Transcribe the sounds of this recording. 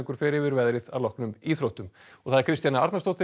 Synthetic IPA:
ŋkʏɾ̥fɪːɾɪvɪɾvɛðɾɪða̰ðlɔhknʏmiθɾowht̪ʏmɔɣθaðɾ̥kʰɾɪst̪janaa̰ɾt̪nast̪owht̪ɪ

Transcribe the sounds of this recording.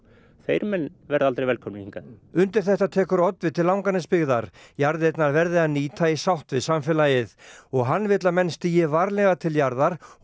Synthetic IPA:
θejɾmɛnvɛɾðalt̪ɾejvɛlkʰɔmniiŋkaðʏnt̪ɪɾ̥θɛht̪at̪ʰɛːkʏɾɔt̪vɪt̪ʰɪlawŋkanɪspɪɣðaɾ̥jaɾðɪɛt̪naɾvɛɾðɪaðniːt̪ʰaisawht̪vɪsamfɛlajɪðɔɣɦanːvɪt̪lamɛnst̪ijɪvaɾlɛɣat̪ʰɪljaɾðaɾ̥

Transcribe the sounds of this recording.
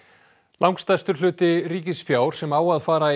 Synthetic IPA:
lʔawŋkst̪ast̪ʏɾ̥lʏːt̪ɪɾiːcɪsfjaːwɾ̥sɛmaːwaðfaːɾa

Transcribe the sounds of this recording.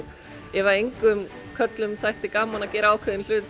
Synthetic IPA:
ɛvaejŋkʏm | kʰœt̪lʏmθajht̪ɪkaːmanacɛːɾaaːwkʰɛðɪnl̥ʏːt̪

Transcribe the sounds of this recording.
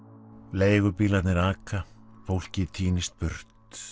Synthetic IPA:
leːjɣʏɾpiːlat̪nɪɾaːkafowl̥cɪt̪ʰiːnɪst̪̚pʏɾ̥t̪

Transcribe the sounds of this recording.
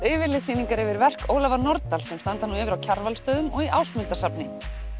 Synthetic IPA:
ʏːvɪɾlɪðsiːniŋkaɾɛvɪɾvɛr̥koːwlavanɔɾt̪alsɛmst̪ant̪anuɪvɪɾawcʰaɾvalst̪œːðʏmɔɣiʔa̰ːwsmʏlt̪asapnɪ

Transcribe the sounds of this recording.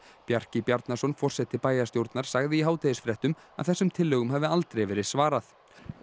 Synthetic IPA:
pjar̥cɪpjaɾt̪nasɔnfɔr̥sɛt̪ɪpaːjast̪jowɾt̪naɾ̥saɣðɪiɦaːwt̪ʰejɪsfɾɛht̪ʏm | a̰ðθɛsːʏmt̪ʰɪlːœːɣʏmhavɪalt̪ɾejvɛːɾɪðsvaːɾaθ

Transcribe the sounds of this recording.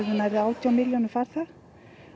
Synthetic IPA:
ðɪnaɾɪaːwt̪ʰjawmɪljɔnʏfaɾ̥θað

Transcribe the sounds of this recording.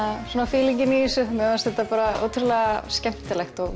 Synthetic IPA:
asuːnafɪːliɲcɪnisʏhmɛðast̪θɛht̪ːapaːɾao̰ːwt̪ʰʏɾlɛːɣascɛm̥t̪ɪlɛxt̪ɔɣ

